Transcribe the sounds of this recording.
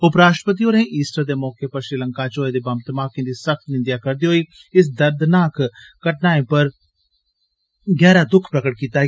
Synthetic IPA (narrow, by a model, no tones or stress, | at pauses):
ʊpɾaːʃʈpət̪̬iːoːneːʔiːsʈəɾd̪eːmɔːkeːpəɾʃɾɪləŋkaːt͡ʃoːed̪eːbəmt̪maːkĩːd̪iːsək̚t̪nɪ̃nd̪jaːkəɾd̪iːɦoːiː | ɪs̬d̪əɾd̪naːkkəʈ̚naːẽːpəɾ | ɡɛːɾaːd̪ʊkʰpɾəkəʈ̚kiːt̪aː